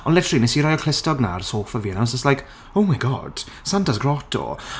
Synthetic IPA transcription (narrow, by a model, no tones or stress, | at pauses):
ɔnlɪftrinɛsiɾɔjəkʰl̥ɪstɔɡna̰rsoːfəviːnawsəslajk | owmajɡɔ̰d̥ | santʰasɡrɔtʰɔ̰